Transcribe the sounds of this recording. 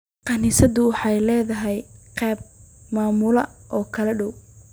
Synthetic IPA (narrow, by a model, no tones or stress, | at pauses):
qɑniːsɐðʊwɑħɑjlɛːðɐɦɛjqɛːb̚maːmʊlɐʔɔːkʰɐlɐɖɔw